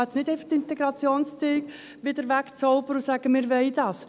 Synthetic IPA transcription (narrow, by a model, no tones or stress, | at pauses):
ɛt͡snɪdɛɪfəχtɪnt̪ɛɡɾɑt͡sjoːnst͡sɪːɡ̥ | ʋɪd̥̪əɾʋækt͡sɔʊbəɾʊsæɡ̥əmɪɾʋɛɪdɑːs